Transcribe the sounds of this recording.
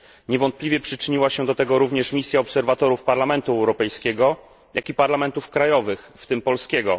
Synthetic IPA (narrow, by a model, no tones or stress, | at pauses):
ɲɛvɔnt̪̚plʲivʲjɛpʂɘt͡ʂɘɲiwaɕɛd̪ɔt̪ɛɡɔɾuvɲɛʂmʲisʲjaɔpsɛɾvat̪ɔɾufpaɾlamɛnt̪uɛwɾɔpɛjskʲɛɡɔ | jakʲipaɾlamɛnt̪ufkɾajɔvɘxft̪ɘmpɔlskʲɛɡɔ